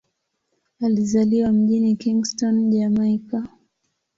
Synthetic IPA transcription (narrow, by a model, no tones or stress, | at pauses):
alizaliwam̩ʄinikiŋɡstɔnʄamaika